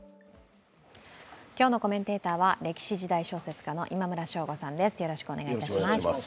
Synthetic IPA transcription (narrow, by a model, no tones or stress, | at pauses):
kʲo̞ːno̞ko̞mẽ̞nt̪e̞ːt̪aːβaɾe̞kʲi̥ɕiʑid̪aiɕo̞ːse̞t͡sɨ̥kano̞̰ʔimamɯ̟ɾaɕo̞ːɡo̞sãnd̪e̞sɨ̥jo̞ɾo̞ɕi̥kɯone̞ɡait̪aɕimass